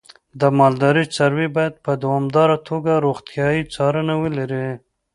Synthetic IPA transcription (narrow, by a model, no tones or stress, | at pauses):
d̪əmɑld̪ɑɾit͡saɾwibɑjad̪̚pəd̪awɑmd̪ɑɾat̪ʰoɡaɾoxt̪jɑjit͡sɑɾənawəlaɾi